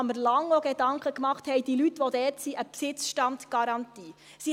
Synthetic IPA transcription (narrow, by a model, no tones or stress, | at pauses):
məɾlɑŋɔɡ̥ed̥ɑŋkχəkmɑχt̪hɛɪd̥ilytʋɔdɛːtsiʔəpsɪt͡sʃtɑntɡ̥ɑɾɑnt̪iː | si